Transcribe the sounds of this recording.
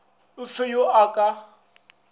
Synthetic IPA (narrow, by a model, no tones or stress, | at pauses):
ʊfɪjoʔakʼa